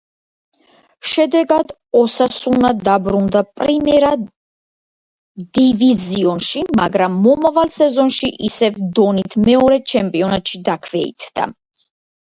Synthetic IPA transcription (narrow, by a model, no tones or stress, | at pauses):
ʃɛd̪ɛɡad̪ | ɔsasunad̪abɾund̪apʼɾimɛɾa | d̪iviziɔnʃimaɡɾamːɔmavalsɛzɔnʃiʔisɛvd̪ɔnit̪ʰmɛɔɾɛt͡ʃʰɛmpʼiɔnat̪ʃid̪akʰvɛḭt̪ʰd̪a̰